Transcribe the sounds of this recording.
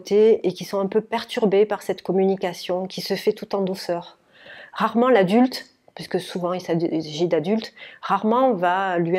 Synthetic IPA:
t̪eekʲisɔ̃ɛ̃pøpɛʁt̪yʁbepaʁsɛt̪kɔmynikasjɔ̃kʲʰisəfɛt̪ut̪ɑ̃d̪osœʁ | ʁaʁmɑ̃lad̪ylt̪ | pɥisəkəsuvɑ̃ilsaʒid̪ad̪ylt̪ʁaʁmɑ̃valɥi

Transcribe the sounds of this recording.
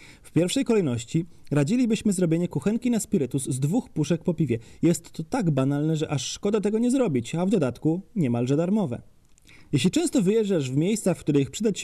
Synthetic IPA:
fpʲjɛɾfʂɛjkɔlɛjnɔɕt͡ɕiɾad͡ʑilʲibɘɕmɘzɾɔbʲjeɲɛkuxɛŋkʲinaspʲiɾɘt̪uzzd̪vuxpuʂɛk̚pɔpʲivʲjɛjɛst̪ːɔt̪aɡbanalnɛʐɛʔaʂːkɔd̪at̪ɛɡɔɲɛzɾɔbʲit͡ɕavd̪ɔd̪at̪kuɲɛmalʐɛd̪aɾmɔvɛ̰ | jeɕ̬lʲit͡ʂɛ̃w̃st̪ɔvɘjɛʐɛʐvmʲjejssafkt̪uɾɛixpʂɘd̪at͡ɕ

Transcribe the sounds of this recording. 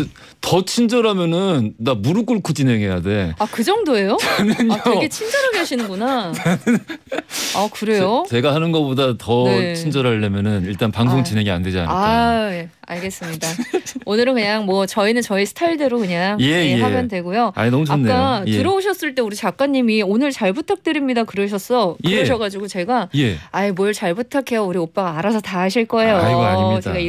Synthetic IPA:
tʌt͡ɕʰind͡ʑʌɾɦamjʌnɯndamuɾɯk͈uɭkʰot͡ɕinɦe̞ŋɦe̞jade̞akɯd͡ʑʌŋdoe̞jot͡ɕanɯneɡe̞t͡ɕʰind͡ʑʌɾɦaɡeaɕʰinɯnɡunanɯn | akɯɾe̞jot͡ɕe̞ɡahanɯnɡʌpodatʌt͡ɕʰind͡ʑʌɾɦaɭːemjʌnɯniɭt͈anpaŋsʰoŋt͡ɕinɦe̞ŋia̰nde̞d͡ʑia̰naj | a̰ɭɡe̞s͈ɯmɲidaonɯɾɯnkɯɲaŋmwʌt͡ɕʌinɯnt͡ɕʌisʰɯ̥tʰaiɭdeɾokɯɲaŋjesabjʌndwe̞ɡojoa̰ɲinʌmut͡ɕanːek͈aɯɾʌoɕʰʌs͈ɯɭt͈euɾit͡ɕak͈̚aɲːimionɯɭt͡ɕaɭbutʰak̚t͈ɯɾimɲidakɯɾɯɕʰʌs͈ʌjkeɯɾɯɕʰʌɡad͡ʑiɡot͡ɕe̞ɡajeaimwʌɭt͡ɕaɭbutʰakʰe̞jouɾiop͈aɡaaːɾasʰʌtaɦaɕʰiɭk͈ʌe̞joaaɲiit͡ɕdeɡai

